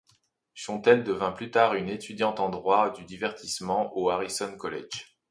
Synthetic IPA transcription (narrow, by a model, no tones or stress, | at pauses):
ʃɔ̃t̪ɛld̪əvɛ̃plyt̪aʁynet̪yd̪jɑ̃t̪ɑ̃d̪ʁwad̪yd̪ivɛʁt̪ʰismɑ̃ʔoaʁisɔnkɔlɛ̰ʒ